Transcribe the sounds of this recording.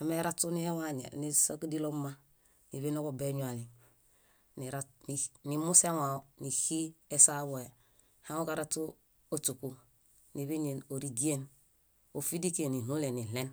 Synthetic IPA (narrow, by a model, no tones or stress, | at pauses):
hameɾatːunihewaɲḛnisokdilomːa | niβenokobeɲuali | niɾaninimuseŋaonihiesaβoe | haŋokaɾatu | otuku | niβiɲenoɾiɡien | ofidikeninulenilen